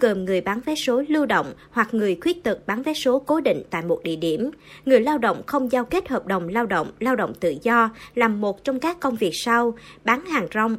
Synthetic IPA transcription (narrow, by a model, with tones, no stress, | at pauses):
kəː˨˩mŋɨ˨˩əjɓaː˨˦nvɛ˨˦so˨˦lɨ˧wɗo̰˧˨wŋ͡m | hwa˨˩k̚ŋɨ˨˩əjkwi˦˥ət̚t̪ɨ˨˩k̚ɓaː˨˦nvɛ˨˦jso˨˦ko˨˦ɗḭ̈˧˨ŋ̟t̪a̰ː˧˨jmo˨˩t̚ɗḭ˧˨əɗi˧˩əmŋɨ˨˩əjlaː˧wɗə̰˧˨wŋ͡mxə˧wŋ͡mzaː˧wke˦˥t̚həː˨˩p̚ɗə˨˩wŋ͡mlaː˧wɗə̰˧˨wŋ͡mlaː˧wɗə̰˧˨wŋ͡mt̪ɨ̰˧˨zɔ˧laː˨˩mːo˨˩t̚t͡ɕɔ˧wŋ͡mkaː˦˥kːə˧wŋ͡mvi˨˩ək̚sa˧wɓaː˨˦nhaː˨˩ŋzɔ˧wŋ͡m